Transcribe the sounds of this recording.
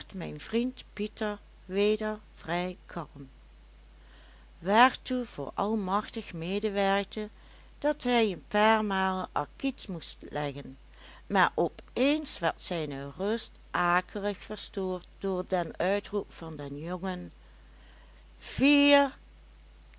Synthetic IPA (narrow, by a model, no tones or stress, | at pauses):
χtmɛjnvrintpitəɹ | ʋeːdəɹ | v̥rɛjkʰɑlm | ʋaːɹtuv̥ʊ̰ːɹʔɑ̰lˠmɑxtəxmeːdəʋɛɹk̚tə | d̥ɑtɦɛjənpaːɹmaːlˠʔɑ̰ɹkitmustlɛɣən | maːɹʔɔpeːnsʋɛɹtsɛjnərɵst | ʔaːkʰələxfəɹstoːɹt̚d̥ʊːɹdənœɥtrupfɑndɛnjoŋən | v̥iːɹ